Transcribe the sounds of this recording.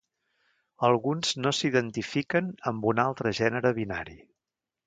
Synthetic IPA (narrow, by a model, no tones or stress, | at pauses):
əlˠɣunz̥nosiðənt̪ifikənəmbunalˠt̪ɾəʒɛnəɾəβina̰ɾi